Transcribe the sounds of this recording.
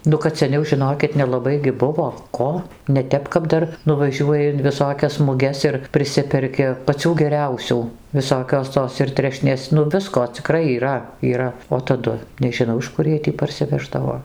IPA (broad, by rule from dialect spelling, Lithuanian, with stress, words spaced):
ˈnʊ kɐt sʲɛˈnʲɛʊ ʒʲɪˈnoːkʲɪt nʲɛlˠɐˈbɐɪ ɡʲɪ ˈbʊʋoː ˈkoː nʲɛˈtʲɛp kɐp ˈdɐr nʊʋɐˈʒʲuɔjɪ ɪn ʋʲɪˈsoːkʲɛs mʊˈɡʲɛs ɪr pʲrʲɪˈsʲɪpʲɛrʲkʲɪ pɐˈt͡sʲuː ɡʲɛˈrʲɛʊsʲuː ʋʲɪˈsoːkʲoːs ˈtoːs ɪr ˈtʲrʲæːʃʲnʲeːs ˈnʊ ˈʋʲɪskoː t͡sʲɪˈkrɐɪ iːˈrɐ iːˈrɐ oː tɐˈdʊ nʲɛʒʲɪˈnɐʊ ɪʃ ˈkʊr jiɛj tʲiː pɐrʲsʲɪˈʋʲæːʒdɐʋoː